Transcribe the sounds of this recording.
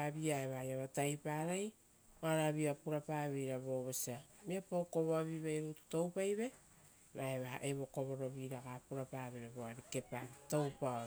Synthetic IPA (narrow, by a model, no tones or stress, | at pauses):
aβiaeβaajaβatajpaɾaj | oaɾaβiapuɾapaβejɾaβo̞βosiamiapowko̞βoaβiβajɾutu̥to̞wpajβe̞ | maeβaha̰ʔeβo̞ko̞βo̞ɾo̞βiɾaɡapuɾapaβeɾaβoaɾike̞pato̞wpao